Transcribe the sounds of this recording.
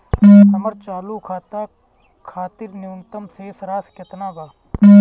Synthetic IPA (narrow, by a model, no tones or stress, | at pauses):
ɦɐməɾt͡ʃaːlukʰaːt̪a | kʰaːt̪ɪɾnɪʊnt̪əmsesɐɾaːsket̪naːbaː